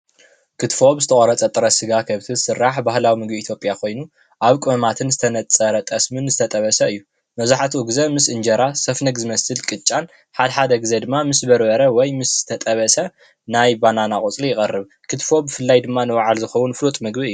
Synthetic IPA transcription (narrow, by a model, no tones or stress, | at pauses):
kʰɨt̪fo̞bzɨt̪ʰɐχʼɐɾɐt͡sʼɐt̪ʼɨɾɐsɨɡakʰɐβt̪ʰiɨsɨrːaħbahlawimɨɡbiːt̪ʰjo̞pʼjakʰo̞jnu | ʔaβkʼɨɐmat̪ʰɨnzɨt̪ʰɐnɐt͡sʼɐɾɐt̪ʼɐsmɨnzɨt̪ʰɐt̪ʼɐβɐsɐɨjːu | mɐzaħat̪ʰuɡzɐmɨsʔɨnd͡ʒɐɾasɐfnɐɡzɨmɐsɨlkʼɨt͡ʃʼan | ħad̪ɐħad̪ɐɡɨzed̪ɨmːamɨsbɐɾbɐɾɐwɔjmɨsz̥ɨ̥t̪ʰɐt̪ʼɐβɐsɐ | najbananakʼot͡sʼlijɪkʼɐrːɨβ | kʰɨt̪fo̞bːɨfɨlːajd̪ɨmːanɨwɐʕalzɨxɐwunflot̪ʼmɨɡbiɨjːu